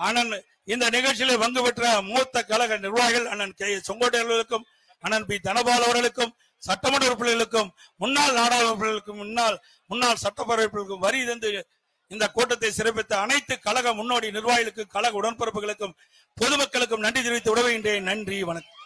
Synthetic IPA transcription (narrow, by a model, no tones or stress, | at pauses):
aːnaːn | ɪnd̪ɐnɪɣɐɭʈt͡ʃːɪleːʋɐŋɡɯpɛʈrɐmuːt̪ːɐkːɐlɐɣɐnɪrʋaːjɣɐɭɐnːɐnksɔŋɡoːʈːɐɾɐɭɣɐɭɯkːɯm | ɐnːɐnpid̪ɐnɐbaːlɐʋɐɾɣɐɭɯkːɯm | sɐʈːɐmɐɽʋɾɯpːɐlɣɐɭɯkːɯmːʊnːaːlnaːɽaːlɐɾpːɐɭɣɐɭɯkːɯmʊnːaːl | mʊnːaːlsɐʈːɐpːɐɾɐʋɐɾpːɐɭɯkːɯmʋɐɾiɪɾɯnd̪ɯ | ɪnd̪ɐkoːʈːɐt̪ːɐɪsɪɾɐp̬ːɪt̪ːɐɐnɐɪt̪ːɯkɐlɐɣɐmʊnːoːɽinɪrʋaːjɪlɯk̬ːɯkɐlɐɣɐʊɽɐnpɐɾɯpːɯɣɐɭɯkːɯm | pɔðɯmɐkːɐɭɯk̬ːɯmnɐɳɖrit̪ɪɾʋɪt̪ːɯʊɽɐʋɯɣɪndreːnɐɳdriʋɐnɐkːɯ̥